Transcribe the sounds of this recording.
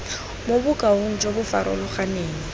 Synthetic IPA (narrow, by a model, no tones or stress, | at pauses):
mobʊkʼauŋ̩t͡ʃʼobʊfaɾʔɔ̰lʊχaneːŋ̩